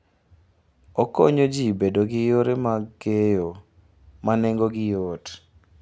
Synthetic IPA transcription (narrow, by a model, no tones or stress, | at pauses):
ɔkoɲod͡ʒibedoɡɪjoɾemaɡejo | manɛŋɡoɡɪjot